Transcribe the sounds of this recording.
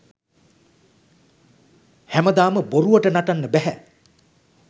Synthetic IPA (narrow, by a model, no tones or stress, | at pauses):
hæməd̪aːməboɾuʋəʈənaʈanːəbæɦæ